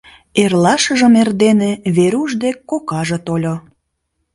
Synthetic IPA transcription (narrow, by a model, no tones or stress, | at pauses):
erlɑʃəʒə̆merd̪enĕβeɾuʒd̪ekkːokɑʒɤ̆t̪olʲo